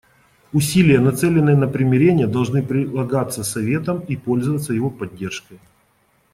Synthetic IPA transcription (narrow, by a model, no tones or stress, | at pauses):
ʊsʲilʲɪjənɐt̪sɛlʲɪnːɨjənəpɾʲɪmʲɪɾʲenʲɪjəd̪ɐlˠʐnɨpɾʲɪlˠɐɡat̪sːəsɐvʲe̞t̪əmipo̞lʲzəvət̪səjɪvo̞pɐdʲːe̞rʂkəj